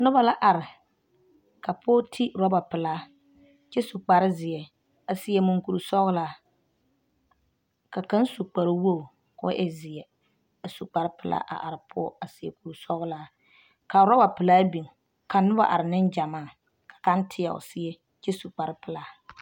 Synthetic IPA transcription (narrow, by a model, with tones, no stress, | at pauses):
nʊ˦ba˦la˦ʔa˨ɾɪ˨ | ka˨pʰɔː˦tʰi˦ɾɔ˦ba˨pɪ˨laː˦ | t͡ʃɛ˦su˨k͡pa˨ɾɪ˦zɪ˨ɛ˨ | a˨sɪ˨jɛ˨mʊ˨ŋku˨ɾu˨sɔ˦ɣʊ˦laː˦ | ka˨ka˦n˦su˨k͡pa˨ɾɪ˦wo˦˨ | kɔ̰˦ʔɛ˨zɪ˨jɛ˨ | a˨su˨k͡pa˨ɾɪ˦pɪ˨˦la̰ː˦ʔa̰˨ʔa̰˨ɾɪ˨pʰɔ̰˦a˨sɪ˨ɛ˨ku˨ɾu˨sɔ˦ɣʊ˦laː˦ | ka˨ɾɔ˦ba˨pɨ˨laː˦bi˨ŋ | ka˨nʊ˦ba̰˦ʔa̰˨ɾɪ˨nɪ˦nd͡ʒa˨maː˦˨ | kḁ˨ka˦n˦tʰɪ˦ja̰˨ʊ̰˨sɪ˦ɛ˦ | t͡ʃɛ˦su˨k͡pa˨ɾɪ˦pɪ˨laː˦